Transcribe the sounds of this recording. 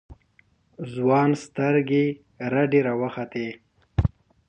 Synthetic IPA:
zwɑːnst̪əɾɡe | ɾaɖeɾawəxat̪e

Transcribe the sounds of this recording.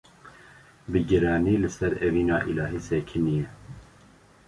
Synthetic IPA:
bɨɡɨɾɑːniːlɨsɛɾɛviːnɑ̰ːʔilɑːɦiːsɛkʰɪnijɛ

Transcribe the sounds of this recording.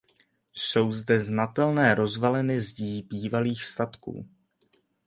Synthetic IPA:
so̞wzdɛznat̪ɛlnɛːɾo̞zvalɛnɪzɟiːbiːvaliːxst̪at̪kṵː

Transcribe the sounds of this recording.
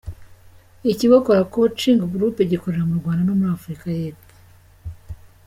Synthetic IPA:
iciβokoɾakot͡ʃiːŋɡaɡɾuːpeɟikoɾe̞ɾamuɾɡwaːndano̞muɾaːfuɾikaje̞ːpo̥

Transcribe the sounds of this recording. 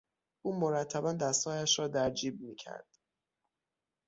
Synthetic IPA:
ʔuːmoɾæt̪ʰːæbænd̪æst̪hɒːjæʃɾɒːd̪æɾd͡ʒiːb̚miːcʰæ̰ɾd̪̥

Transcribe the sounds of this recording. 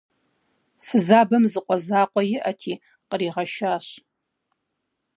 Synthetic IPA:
fɨzaːbɐmzɨqʷʼɔzaːqʷʼɔjɪʔatʰiː | qəɾiːʁɐʃaːɕ

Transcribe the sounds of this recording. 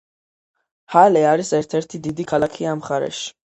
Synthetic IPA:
halɛaɾisɛɾt̪ʰɛɾt̪ʰid̪id̪ikʰalˠakʰiamχaɾɛ̰ʃi̥

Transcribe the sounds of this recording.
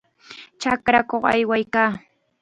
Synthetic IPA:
t͡ʃakɾakoχa̰jwajkaː

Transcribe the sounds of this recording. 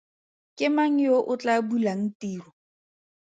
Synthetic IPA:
kʼɪmaŋ̩joʔʊt͡ɬabulaŋ̩tiːrɔ

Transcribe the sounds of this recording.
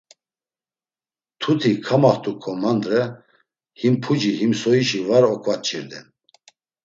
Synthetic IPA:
t̪ʰut̪ʰikʰamaχt̪ʰʼukʰɔmand̪ɾɛ | himpʰud͡ʒihimsɔiʃivaɾɔkʰvat͡ʃʰʼiɾd̪ɛn

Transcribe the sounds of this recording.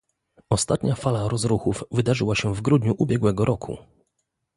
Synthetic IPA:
ɔst̪at̪ɲafalaɾɔzɾuxufvɘd̪aʐɘwaɕɛvɡɾud̪ɲuʔubʲjɛɡwɛɡɔɾɔkʰṵ

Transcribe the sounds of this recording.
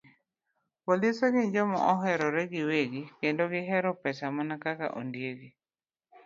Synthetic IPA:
polisɛɡɪɲd͡ʒɔmɔ̰ʔɔɦɛɾɔɾɛɡɪweɡikendoɡɪɦɛɾɔpɛsamanakaka̰ʔo̰ndjeɡi

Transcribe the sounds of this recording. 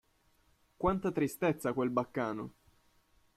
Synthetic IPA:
kwant̪at̪ɾist̪et̪sːakwelbakːaːno̰

